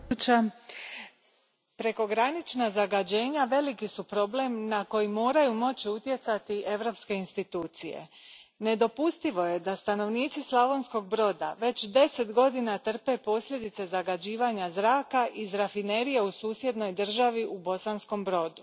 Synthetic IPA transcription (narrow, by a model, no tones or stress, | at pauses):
t͡ʃa | pɾe̞ko̞ɡɾanit͡ʃnazaɡad͡ʑe̞ːɲaʋe̞likisupɾo̞ble̞mnako̞jimo̞ːɾajumo̞t͡ɕiut̪je̞t̪sat̪iʔe̞ʋɾo̞pske̞inst̪it̪uːt̪sije̞̰ | ne̞d̪o̞pust̪iʋo̞je̞d̪ast̪ano̞ʋniːt̪sislˠaʋo̞nsko̞ɡ̚bɾo̞d̪a̰ʋe̞t͡ɕd̪e̞se̞t̪ɡo̞d̪inat̪r̩pe̞po̞slʎʲe̞d̪it̪se̞zaɡad͡ʑiːʋaɲazɾaːkaʔizɾafine̞ɾijeusuːsje̞d̪no̞jd̪r̩ʒaʋiʔubo̞sansko̞mbɾo̞d̪u